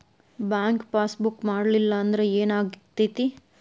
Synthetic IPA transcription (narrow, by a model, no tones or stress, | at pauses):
baːŋkpaːsbukːmaːɽlilːɐɐnd̪ɐɾeeːnaːɡt̪it̪i